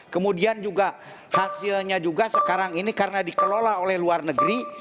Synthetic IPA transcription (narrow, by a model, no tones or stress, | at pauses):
kəmudiand͡ʒuɡa | hasilɲad͡ʒuɡasəkaɾaŋinikaɾənadikəlolaolɛhluarnəɡɾi